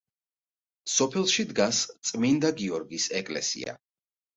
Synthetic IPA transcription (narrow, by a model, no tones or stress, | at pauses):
sɔpʰɛlˠʃid̪ɡast̪sʼmind̪aɡiɔɾɡisɛkʼlɛ̰sḭa̰